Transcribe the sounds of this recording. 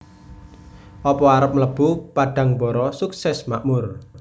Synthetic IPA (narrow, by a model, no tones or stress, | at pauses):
ʔɔpɔaɾəp̚mləb̥upaɖ̥a̤ŋbɔɾɔsuksɛsmaʔmʊr